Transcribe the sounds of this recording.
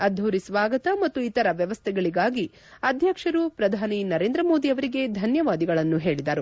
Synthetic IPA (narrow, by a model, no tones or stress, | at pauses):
ɐd̪ʱːoɾisʋaːɡɐt̪ɐmɐt̪ːuit̪ɐɾɐʋjɐʋɐst̪ʰɛɡɐɭiɡaːɡi | ɐd̪ʱjɐkʂɐɾupɾɐd̪ʱaːninɐɾe̞ːnd̪ɾɐmo̞ːd̪iɐʋɐɾiɡe̞d̪ʱɐnjɐʋaːd̪iɡɐɭɐnːuɦe̞ːɭid̪ɐɾu